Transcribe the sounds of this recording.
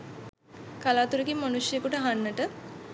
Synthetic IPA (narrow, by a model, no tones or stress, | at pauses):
kalaːt̪uɾəkimːanusjəjəkuʈəɦanːəʈə